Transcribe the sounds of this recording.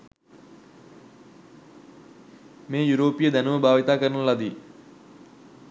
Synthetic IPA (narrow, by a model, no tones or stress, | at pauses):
meːjuɾoːpijəd̪ænuʋəbʱaːʋit̪aːkəɾənulad̪i